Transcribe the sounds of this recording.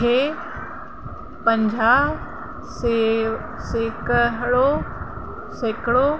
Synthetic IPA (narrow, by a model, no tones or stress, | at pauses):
eː | pə̃ɲd͡ʑʱaː | se | seːkəɦɽo | seːkɽo